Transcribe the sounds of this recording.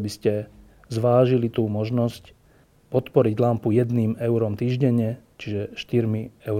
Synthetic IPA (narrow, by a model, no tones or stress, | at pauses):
biscɛ | zʋaːʒilit̪uːmɔʒnɔsc | pɔt̪pɔɾiɟlampujɛd̪niːmɛʊɾɔmt̪iːʒɟɛɲɛt͡ʃiʒɛʃt̪iɾmiɛʊ